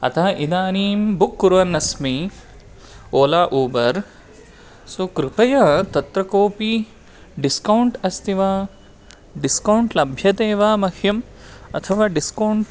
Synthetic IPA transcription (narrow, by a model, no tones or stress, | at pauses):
ɐ̰t̪ʰaʔid̪aːniːmbukːuɾʋɐnːɐsmi | oːlaːʔoːbɐɾ | soːkɾupɐjɐt̪ɐt̪ɾɐkoːpi | ɖiskɐwɳʈɐst̪iʋaː | ɖiskɐwɳʈlɐbʱjɐt̪eːʋaːmɐhjɐm | ɐ̰t̪ʰɐʋaːɖiskɐwɳʈ